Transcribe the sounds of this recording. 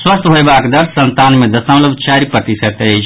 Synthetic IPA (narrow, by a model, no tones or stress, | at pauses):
swəst̪ɦoebakd̪əɾt̪ʰsənt̪anmed̪əsəʊ̃ləbʱt͡ʃaɾipɾət̪isət̪ət͡ʃʰ